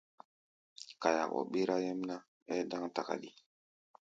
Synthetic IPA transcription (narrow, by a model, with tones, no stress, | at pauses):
ka˨ja̰˨kɔ̰˨ɓe˦ɾa˦jɛ˦m˦na˦ | ɛ˦dã˦ŋta˨ka̰˨di˨